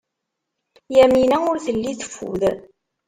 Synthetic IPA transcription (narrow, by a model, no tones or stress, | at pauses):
jæminæʊɾθəlːiθə̥fːṵð